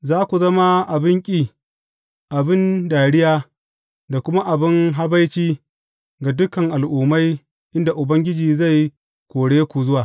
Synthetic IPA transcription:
zaː˦kʷu˨zɐ˦ma˦ʔa˨bɪ˦ŋkʲʼiː˦ | ʔa˨bɪ˦ndaː˨ɽɪ˦jaː˦ | da˨kʷʊ˦ma˦ʔa˨bɪ˦ŋɦa˦ba˦jt͡ʃiː˦ | ɡa˨dʊ˦kɐ˨ŋʔa˨lʔuː˨ma˦j | ʔɪ˦nda˨ʔʊ˨bɐ˦ŋɡʲɪ˦d͡ʒiː˨za˦˨j | kʷoː˨ɽeː˦kʷu˨zʊ˦waː˨

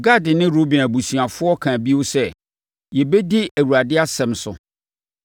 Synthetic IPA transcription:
ɡa˦˨dɪ˨nɪ̃˦ɾo˦bĩ˨næ˨bu˨si˨a˨fʊ˦ɔ˦kʰã˨bi˦o˦sɛ˦ | jɛ˨bɛ˦di˦æ˨wu˨ɾa˨dɪ˦a˦sɛ̃˨msʊ̰˨

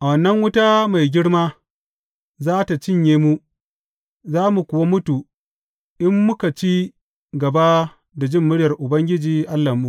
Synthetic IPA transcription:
ʔa˨wɐ˨nːɐ˦ŋwʊ˦ta˦ma˨jɡʲɪ˦ɽmaː˦ | zaː˦ta˨t͡ʃɪ˦ɲjeː˦mu˦ | zaː˦mu˨kʷʊ˨wa˦mʊ˦tu˨ | ʔɪ˦mːʊ˦ka˨t͡ʃi˦ | ɡɐ˨ba˦ | da˨d͡ʒɪ˦mːʊ˦ɽjɐ˨rʔʊ˨bɐ˦ŋɡʲɪ˦d͡ʒiː˨ʔa˦lːɐ˨mu˦

